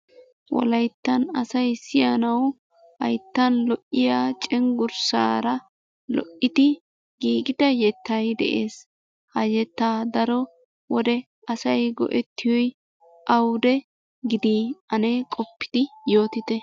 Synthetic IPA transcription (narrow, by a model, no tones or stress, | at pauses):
wɔ̰lɐjt̪ːɐnɐsɐjsɪjanɐw | hɐ̰jt̪ːɐnlɔʔːɪjaːt͡ʃʼɛŋɡʊɾsa̰ːɾɐ | lɔ̰ʔːɪt̪ɪ | ɡ̥iːɡɪd̪ɐjɛt̪ːɐjd̪ɛ̰ʔeːs | hɐjɛt̪ːaːd̪ɐɾɔ | wɔd̪ɛ | ɐsɐjɡɔ̰ʔɛt̪ʰːɪjɔj | ʔɐwd̪ɛ | ɡɪd̪iːɐnekʼɔpːɪ̥d̪̥ɪjo̞ːt̪ɪt̪ɛ